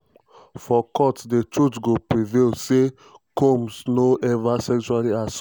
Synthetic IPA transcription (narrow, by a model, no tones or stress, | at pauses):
fɔkɔtdetɹutɡopɹivelse | kõmsnoʔɛvasɛkt͡ʃualias